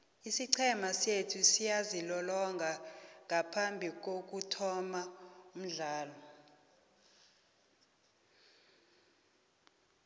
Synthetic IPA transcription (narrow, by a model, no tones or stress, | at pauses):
isiǀʰɛmasetʰusijazilɔlɔŋɡʱaŋʱapʰambʱik̬ok̬utʰɔmaum̩ɮaːlɔ